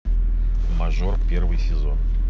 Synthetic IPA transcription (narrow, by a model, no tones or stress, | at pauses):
maʐorpʲervɨjsʲɪzo̞̰n